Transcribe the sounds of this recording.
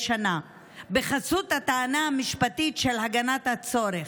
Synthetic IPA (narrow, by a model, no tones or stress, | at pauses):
ʃana | beχasut̪hat̪aːnaamiʃpat̪it̪ʃelhaɡanat̪hat͡so̞ɾe